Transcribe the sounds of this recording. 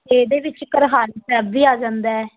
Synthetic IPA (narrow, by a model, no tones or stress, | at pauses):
eːd̪eːʋɪt͡ʃkəɾɦaːɾiːsɛːbʋiːaːd͡ʒãːnd̪aɛː